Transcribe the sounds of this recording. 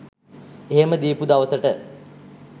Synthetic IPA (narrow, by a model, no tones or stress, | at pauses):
eɦeməd̪iːpud̪aʋəsəʈə